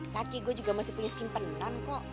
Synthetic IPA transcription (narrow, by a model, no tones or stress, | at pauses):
lakiɡuɛd͡ʒuɡamasihpuɲasimpənt̪ankɔʔ